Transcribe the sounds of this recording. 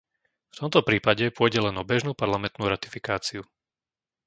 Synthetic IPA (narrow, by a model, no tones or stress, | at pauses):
ft̪ɔmt̪ɔpɾiːpaɟɛpʊɔjɟɛlɛnɔbɛʒnuːpaɾlamɛnt̪nuːɾat̪i̥fikaːt͡siu